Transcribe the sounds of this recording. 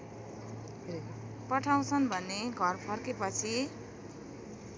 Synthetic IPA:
pʌʈʰaw̃t͡sʰʌnbʱʌnːeɡʱʌrpʰʌrkepʌt͡sʰi

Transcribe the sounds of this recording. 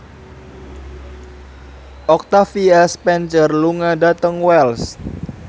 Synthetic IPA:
ʔɔk̚t̪afiɛspɛnt͡ʃərluŋadat̪əŋwɛls

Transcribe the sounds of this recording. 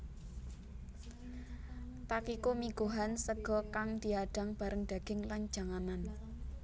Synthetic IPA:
t̪akikumiɡ̥o̤ɦansəɡ̥ɔ̤kaŋd̪̥i̤aɖ̥a̤ŋb̥a̤ɾəŋd̥̪a̤ɡ̥ɪŋlan̥d͡ʒ̥a̤ŋanan

